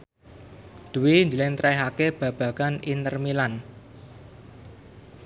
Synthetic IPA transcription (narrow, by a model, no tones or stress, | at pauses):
d̪̥uwiɲd͡ʒəlɪŋt̪ɾʔajɦakeb̥ä̤b̥ä̤kanint̪ərmilan